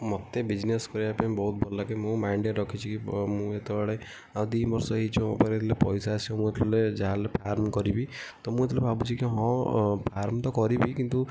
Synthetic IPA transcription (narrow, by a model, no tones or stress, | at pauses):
mɔt̪ːebid͡ʒneskɔɾiapanĩbɔɦut̪̚bɔlːakemũmaɳɖeʈɾɔkʰit͡ʃʰikimũet̪ebaɽe | ad̪inbɔɾsɔɦit͡ʃʰũɔ̰paɾet̪ʰlepɔjsaːsimũet̪ʰled͡ʒaɦalepʰaɾmkɔɾibit̪ɔmũet̪ʰlebʱabut͡ʃʰikiɦɔ̃pʰaɾmt̪ɔkɔɾibikint̪u